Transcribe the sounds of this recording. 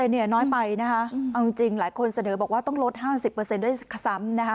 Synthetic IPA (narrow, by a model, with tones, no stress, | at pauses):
t̪e˧ni˥˩ɐnɔː˦˥jpa˧jna˦˥kʰa˦˥ʔa˧wt͡ɕŋt͡ɕi˧ŋlaː˩˦jkʰo˧nsa˧nɤː˩˦bɔː˨˩k̚waː˥˩t̪ɔ˥˩ŋlo˦˥t̪̚haː˥˩si˨˩pːɤː˧se˧ndu˥˩jkʰsa˩˦mna˦˥kʰa˦˥